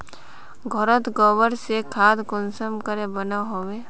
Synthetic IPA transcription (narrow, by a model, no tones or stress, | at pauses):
ɡʱɔɾət̪ɡɔʋəɾsekʰaːd̪ɡʊnsəmkəɾebənaɦoːʋeː